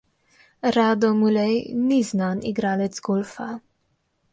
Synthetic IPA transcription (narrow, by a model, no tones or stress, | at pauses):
ɾad̪ɔmulɛjniznanḭɡɾalɛt̪zɡɔlfa